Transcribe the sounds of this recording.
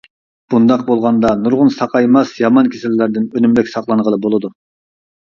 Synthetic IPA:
b̥und̪ɑq̚bolˠʁɑnd̪ɑnuɾʁʊnsɑqɑjmɑsjɑmɑnkʲʰesɪlːæɾd̪ɪnønymɾɛkʲsɑχlˠɑnʁəlˠɨbolˠɨd̪u

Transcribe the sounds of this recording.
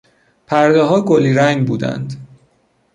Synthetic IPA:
pʰæɾd̪eɦɒːɡoliːɾæŋɡbuːd̪æ̰nd̪

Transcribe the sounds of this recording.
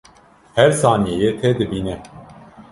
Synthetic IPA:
hɛɾsɑːnijejet̪ʰɛd̪ɨbiːnɛ

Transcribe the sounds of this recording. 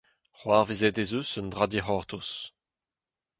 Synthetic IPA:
χwaːʁvizɛdezøsənd̪ʁad̪iχɔʁt̪ʰos

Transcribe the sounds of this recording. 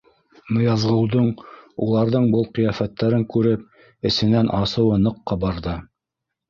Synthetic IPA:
mŏjɑzʁɤ̆wðɤɴulˠɑɾðɤɴbɤlˠqɤ̆jɑfæt̪ːæɾɘŋkʉɾɘp̚ | ɘ̆sɘ̆nænʔɑsɤ̆wɤnɤ̆qːɑbɑɾðɤ

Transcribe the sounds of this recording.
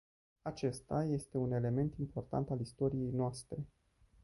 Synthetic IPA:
at͡ʃe̞st̪aje̞st̪e̞une̞le̞me̞nt̪impo̞rt̪a̰nt̪alist̪o̞ɾije̞jnoast̪ɾe̞

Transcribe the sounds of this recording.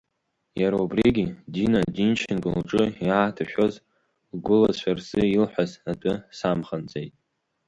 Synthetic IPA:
jaɾaubriɡʲidinadint͡ʃʰɪnkʼɨlʈ͡ʂʼɨjaːtʰaʃᶣoz | lɡʷʊlazʃʷarsɨilħʷazatʼʊsamχant͡sʼejtʼ

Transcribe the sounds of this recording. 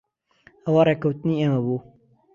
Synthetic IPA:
ɐwareːkɐwt̪ɨniːeːmɐbuː

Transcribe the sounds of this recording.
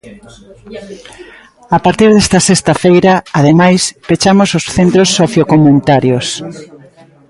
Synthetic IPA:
apaɾt̪iɾðɛst̪ɐsest̪ɐfejɾɐaðemajspet͡ʃamososθent̪ɾosːoθjokomunit̪aɾjos

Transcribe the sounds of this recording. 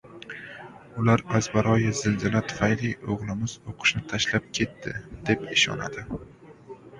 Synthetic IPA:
ʊlaɾazbaɾɒjazɪld̪ɪlat̪ʰʊ̥fajliʔoʁlˠɪmɪz̥oqʰɨ̥ʃnɪt̪ʰaʃlap̚kʲʰe̞t̪ʰːɪd̪̥e̞pɪʃɒ̰na̰d̪ɪ

